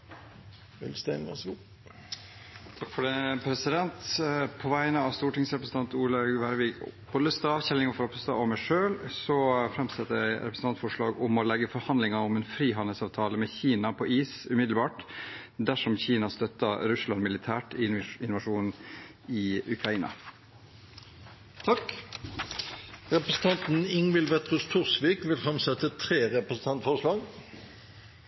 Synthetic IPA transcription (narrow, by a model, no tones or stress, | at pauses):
ʋɛ̰lst̪ɛɑ̰sɡu | t̪ʰɑkfɔɖɛəpʰɾɛsɪd̪ɛnt̪pʰɔʋæɪnəɑʋst̪uːʈɪŋsɾɛpɾəsn̩ɑnt̪uːlɑɡʋæɾʋikb̥ɔd̪əst̪ɑːʋçɛlːɪŋɑfɔɾɔpst̪ɑ̰ːɔmæɪʂøːlsɔfɾɛmsɛt̪ːəɾjæɪɾɛpɾəsn̩ɑnt̪fɔʂɭɑːɡʊmɔlɛɡːəfɔɾhɑnd̪lɪŋɑɔmɛnfɾiːɦɑnd̪əlsɑːʋt̪ʰɑːləmɛçiːnɑpʰɔʔiːsʉmɪd̪lbɑːʈd̪æʂɔmçiːnɑst̪œt̪ːɑɾʉslɑnmɪlɪt̪ʰæːʈɪɪnʋɑʂuːn | ɪʉkʰɾɑiːnɑ̰ | t̪ʰɑk | ʁɛpɾəsn̩t̪ʰɑnt̪n̩ɪŋʋɪlʋɛt̪ʁʊst̪ʰʊʁsʋiːkʋɪlfɾɛmsɛt̪ət̪ʰɾeːʁɛpɾəsn̩t̪ɑnt̪fɔʂlɑːɡ